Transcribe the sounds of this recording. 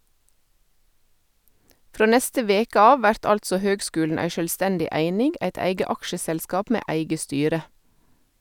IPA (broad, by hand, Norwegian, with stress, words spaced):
ˈfʁoː ˈnɛstə ˈʋeːkə ˈɑːʋ ˈʋæɾt ˈɑltsɔ ˈhøːɡˌskʉːln̩ ˈæɪ ʃœlˈstɛndɪ ˈæɪnɪŋɡ ˈæɪt ˈæɪɡə ˈɑkʃəsɛlˌskɑːp ˈmeː ˈæɪɡə ˈstyːɾə